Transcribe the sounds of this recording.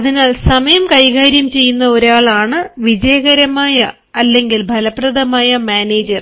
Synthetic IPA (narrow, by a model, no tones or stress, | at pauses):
ɐðinaːlsɐmɐjɐmkɐjɣaːɾjɐmt͡ɕe̞jːunːɐoɾaːɭaːɳɨʋid͡ʑɐjɐɣɐɾɐmaːjɐ | ɐlːe̞ŋɡilbʱɐlɐpːrɐðɐmaːjɐmaːneːd͡ʑɐr